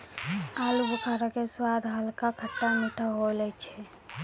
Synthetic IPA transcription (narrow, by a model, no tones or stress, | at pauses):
aːlubukʰaɾakeswad̪ʱɦəlkakʰəʈːamuʈʰaɦolɛt͡ʃʰɛ